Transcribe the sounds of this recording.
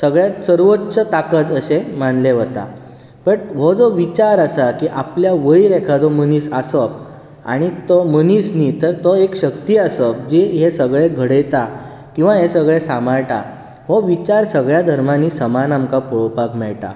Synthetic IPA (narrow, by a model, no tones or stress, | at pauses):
səɡɭjat̪səɾʋotːɕət̪akət̪əsemanleʋət̪a̰ | pəɳʋod͡zɔʋit͡ɕaɾəsakiʔapljaʋəjɾɛkʰad͡z̪oməniːsasəp̚ | a̰ɽ̃it̪ɔmənisniːt̪əɾt̪oekɕəkt̪iːasəp̚d͡ʑeɦesəɡɭeɡʱəɽet̪a | kĩw̃ʋãɦesəɡɭesamaɭʈa̰ | ɦoʋit͡ɕaɾsəɡɭjad̪ʱəɾmaniːsəmanamkapɔɭpakmɛɭʈa̰